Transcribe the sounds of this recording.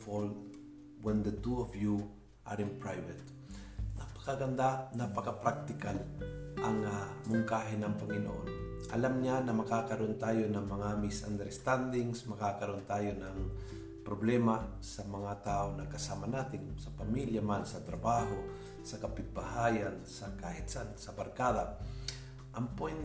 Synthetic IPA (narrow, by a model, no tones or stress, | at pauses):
fol | wɛnd̪ɐt̪uofju | ʔaɾɪnpɹajvɛt̪ | nɐpɐ̥kɐɡɐnd̪anɐpɐkɐpɾak̚t̪ɪkalʔɐŋamʊŋkaːɦɪnɐŋpɐŋɪno̰ʔonʔɐ̰lamɲanɐmɐkaːkɐɾoʔnt̪aːjonɐŋmɐŋamɪsa̰nd̪ɛɾst̪and̪ɪŋsmɐkakɐɾoont̪aːjo̞nɐŋ | pɾoblɛma | sɐmɐŋat̪aːʔonɐkɐsaːmɐnaːt̪ɪnsɐpɐmiljɐmansɐt̪ɾɐbaːɦo | sɐkɐpɪt̪̚bahaːjansɐkahɪt̪sansɐbɐɾkaːd̪a | ʔɐŋpɛn